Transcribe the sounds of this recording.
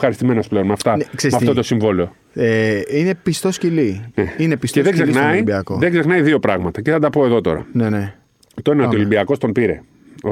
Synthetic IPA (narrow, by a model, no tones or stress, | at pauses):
xɐɾist̪ime̞nosple̞onmɐft̪ɐnkseɾsmɐft̪ot̪osiɱvolio̞ | eine̞pist̪oscilineinepisteðeɡzexnɐiibiɐkoðeɡze̞xnɐiðio̞pɾɐɣmɐt̪ɐceθɐd̪ɐpo̞e̞ðo̞t̪o̞̰ɾɐ̰nene | ft̪oineot̪iolimbiɐko̞st̪ompiɾe̞̰ | o